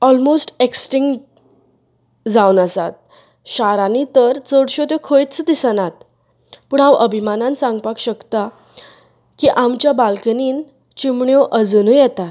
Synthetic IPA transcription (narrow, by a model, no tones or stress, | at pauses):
ɔlmosʈeksʈiŋɡ | d͡zawnəsat̪̚ | ɕaɾanit̪əɾt͡səɽɕot̪jokʰojt͡sd̪isənat̪̚ | puɳãʋəbʱimanãnsãŋɡpakɕəkt̪a | kiʔamt͡ɕjabalkəniːn | t͡ɕimɳjoʔəd͡zunũjɛt̪a